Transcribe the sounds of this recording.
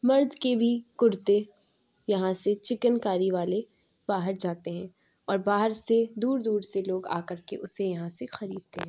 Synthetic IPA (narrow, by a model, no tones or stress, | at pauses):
mɐɾd̪kebʱikʊɾt̪e | jɐɦãset͡ʃɪkənkaːɾiʋaːle | b̥aːɦəɾd͡ʒaːt̪eɦɛ̃ː | ɔːɾbaːɦəɾsed̪uːɾd̪uːɾseloːɡa̰ːkɐɾkeʔʊsejɐɦãsexɐɾiːd̪̚t̪eɦɛ̃ː